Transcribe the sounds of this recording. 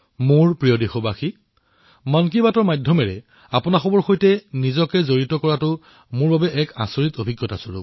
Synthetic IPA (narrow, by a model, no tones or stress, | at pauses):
mʊɹpɹijodixobaxi | mɔnk̬ibatɔɹmajdʱːɔmɛɹɛ | apʊnaxɔbɔɹxojtɛnizɔkɛzoɹitɔkɔɹatʊ | mʊɹbabɛʔɛka̰soɹitobʱiɡjɔtasoɹṵ